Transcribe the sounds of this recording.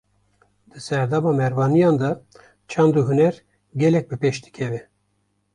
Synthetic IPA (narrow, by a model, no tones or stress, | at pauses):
d̪̥ɨsɛɾd̪ɑːmɑːmɛɾvɑːnijɑːnd̪ɑ | t͡ʃʰɑnd̪uɦunɛɾ | ɡʲɛlɛk̚bɨpeʃd̪ɨ̥kʰɛvɛ